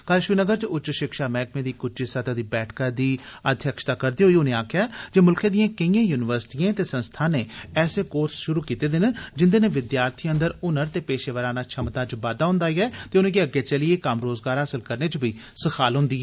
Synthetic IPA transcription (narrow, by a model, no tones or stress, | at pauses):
kaːlʃʋiːnəɡəɾt͡ʃʊtːt͡ʃːʃɪkʃaːmɛːkmẽːd̪iːkʊt͡ʃisət̪aːd̪iːbɛːʈʰkaːd̪iːəd̪ʱjəkʃət̪aːkəɾd̪iːɦoiːʊnẽːaːkʰɪjaːd͡ʒeːmʊlkʰẽːd̪ɪjãːkɪĩjãːjuːnɪʋəɾsɪ̥ʈijãːt̪eːsə̃nst̪ʰaːneːɛːseːkoːɾsʃʊɾuːkiːt̪eːd̪ɪnd͡ʒɪnd̪eːneːʋɪd̪jaːɾt̪ʰiːənd̪əɾʊnəɾt̪eːpeːʃeːʋəɾaːnaːt͡ʃʰəmt̪aːt͡ʃbaːd̪aːɦʊ̃nd̪aːiɛːt̪eːʊnẽːkiəɡeːt͡ʃəlieːkəmɾoːzɡaːɾɦaːsəlkəɾneːt͡ʃbiːsəkʰaːlɦʊ̃nd̪iːɛː